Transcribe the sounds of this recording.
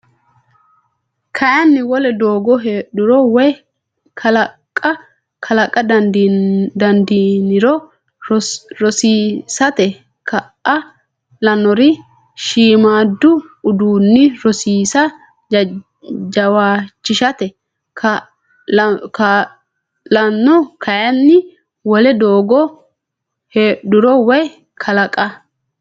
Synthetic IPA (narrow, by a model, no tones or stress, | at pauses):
kʰɐjɐnːɪwɔlɛd̪oːɡɔɦeːɗʊɾɔwɔj | kʰɐlɐkʼːɐ | kʰɐlɐkʼːɐd̪ | d̪ɐnd̪inɪɾɔ | ɾɔsiːsɐt̪ɛ | kʰɐʔɐ | lɐnɔɾɪ | ʃiːmaːd̪ːʊʊd̪uːnːɪɾɔsiːsɐ | d͡ʒ | d͡ʒɐwaːt͡ʃːɪʃɐt̪ɛ | kʰɐ | k | lɐnːɔkʰɐjɐnːɪ | wɔlɛd̪oːɡɔ | hɛd̪ʊɾɔwɛj | kʰɐlɐkʼɐ